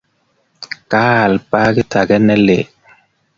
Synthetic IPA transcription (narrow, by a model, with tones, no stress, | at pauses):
ka˦˨lpa˦ɡɪ˦tʰa˨ɡɛ˦nɛ˦le˨